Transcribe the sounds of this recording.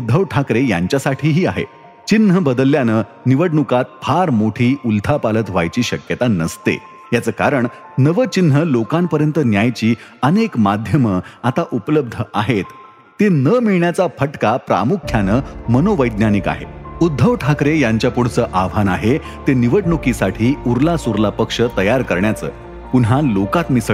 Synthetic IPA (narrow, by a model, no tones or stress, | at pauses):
ud̪ʱːəʋʈʰakɾeja̰ɲt͡ɕjasaʈʰiːɦiːaɦḛ | t͡ɕinɦəbəd̪əlːjanə | niʋəɽɳukat̪̚pʰaɾmoʈʰiːult̪ʰapalət̪ʋa̰jt͡ɕiːɕəkjət̪anəst̪ḛ | jat͡səːka̰ɾəɳ | nəʋət͡ɕinɦəlokampəɾjənt̪ənjajt͡ɕiːənekmad̪ʱjəməat̪aʔupləb̚d̪ʱəʔaɦet̪ː | enəmiɭɳjat͡safʰəʈkapɾa̰mukʰjanəːmənoʋəjd̪njanika̰ɦḛud̪ʱːəʋʈʰakɾejaɲt͡ɕjapuɽ̤t͡səːʔaʋ̤ʱanaɦe | t̪eniʋəʈɳukisaʈʰiːuɾlasuɾlapəkʂət̪əjaɾkəɾɳjat͡sə̰ː | punɦalokat̪miːs